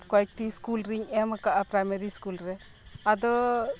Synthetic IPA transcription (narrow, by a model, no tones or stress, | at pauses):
kwaʈiskulɾiŋemakaʔapɾajmeɾiskulɾɛ | ad̪ɔ